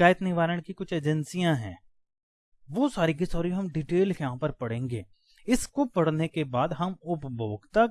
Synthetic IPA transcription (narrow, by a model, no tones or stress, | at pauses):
aːjət̪nɪʋaːɾəɽkikʊt͡ʃʰeːd͡ʒənsijãɦɛ̰̃ː | ʋosaːɾik̬isɔːɾiɦɐmɖiʈeːljɐɦãpɐɾpɐɽẽːŋɡeː | ɪskopɐɽnekebaːd̪ɦɐmʊpbʱoːɡt̪a